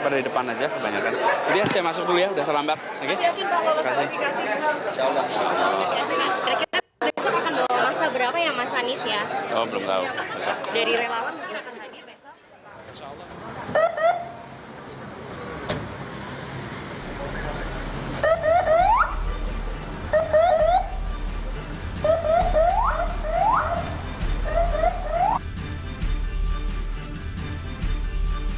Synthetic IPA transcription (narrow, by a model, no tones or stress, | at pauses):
padadidəpanad͡ʒakəbaɲakand͡ʒadiasajamasʊk̚dulujaudaht̪ərlambat̪̚aɡeaaakasiikasiinʃaɔlːɔhinʃa̰ɔl̰lːɔ̰kasiakanakiɾa | d̪usat̪akanbomasabəɾapajaŋmasanɪsjaɔbəlʊmt̪a̰ʊ̰kbɛsɔ̰daɾiɾelawanmkɪnakant̪adiabesɔ | inʃaːlˠːɔh